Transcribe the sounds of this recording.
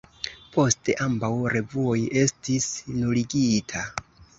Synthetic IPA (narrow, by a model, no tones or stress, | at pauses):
po̞ste̞ʔambawɾe̞vuo̞je̞stisnuliɡitʰa